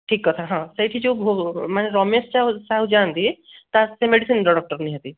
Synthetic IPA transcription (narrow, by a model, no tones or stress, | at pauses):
ʈʰiːkːɔt̪ʰaɦãsəjʈʰid͡ʒobʱomaneɾɔmest͡ʃausaɦud͡ʒaːnt̪i | t̪asemeɖisinɾɔɽɔk̚ʈəɾniɦət̪i